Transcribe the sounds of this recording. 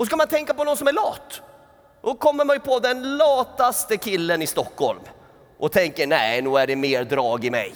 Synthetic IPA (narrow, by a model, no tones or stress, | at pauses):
ɔs̬kamant̪ʰɛŋkapɔnɔns̬ɔmæɾɭɑːt̪ː | dɔkʰɔmːəɾmanjɵpʰɔd̪ɛnlɑːt̪ast̪əkʰɪlːənɪst̪ɔkːhɔ̰lm | ʔɔt̪ʰɛŋkənæɪnʉːæɖɛmeːɾd̪ɾɑːɡɪmɛ̰j